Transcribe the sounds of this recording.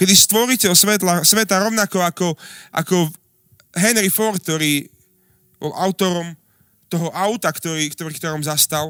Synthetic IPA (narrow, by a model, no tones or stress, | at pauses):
kɛd̪ist̪ʋɔɾiːcɛɔsʋɛt̪lasʋɛt̪aɾɔʊnakɔakɔʔa̰kɔ | ɦɛnɾifɔɾt̪̚t̪ɔɾiː | bɔ̰lʔaʊt̪ɔɾɔm | t̪ɔɦɔʔaʊt̪akt̪ɔɾiːkt̪ɔɾikt̪ɔɾɔːmzast̪al